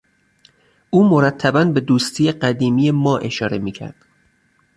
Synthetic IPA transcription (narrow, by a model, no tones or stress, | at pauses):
ʔuːmoɾæt̪ʰːæbænbe̞d̪uːst̪ʰiːjeɢæd̪iːmiːjemɒːʔe̞ʃɒːɾe̞miːcʰæ̰ɾd̪̥